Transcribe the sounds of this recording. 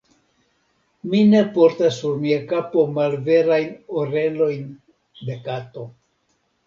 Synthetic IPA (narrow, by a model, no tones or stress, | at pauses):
mine̞po̞ɾtasːuɾmiakapo̞malve̞ɾajnoɾe̞lo̞jn | de̞kato̞